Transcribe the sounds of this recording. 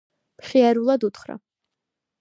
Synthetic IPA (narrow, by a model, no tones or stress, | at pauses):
mχiaɾulˠad̪ut̪χɾa̰